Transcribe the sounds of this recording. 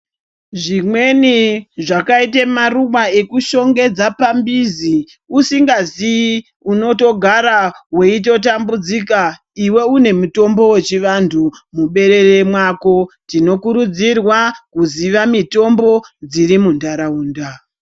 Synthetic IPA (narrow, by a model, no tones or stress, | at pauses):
ʐimwe̞niʐakait̬emarumae̞kuʃo̞ŋɡe̞d͡zapambizi | usiŋɡazi | uno̞to̞ɡʱaɾaɦwe̞it̬o̞t̬ambud͡zika | iwe̞une̞muto̞mbo̞we̞t͡ʃiʋantʰumuɓe̞ɾe̞re̞mwako̞tino̞kuɾud͡zirwakuziʋamito̞mbo̞d͡ziɾimundaɾauːnda